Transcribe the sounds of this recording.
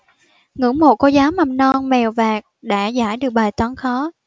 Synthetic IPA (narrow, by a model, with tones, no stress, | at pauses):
ŋɨ̰˧˥ŋmo˨˩ko˧zaː˨˦wma˨˩m̚nɔ˧nmɛ˨˩wvaː˨˩k̚ɗa̰ː˧˥za̰ː˧˩jɗɨ˨˩ək̚ɓaː˨˩jt̪wɔ˨˧˦nxɔ˨˦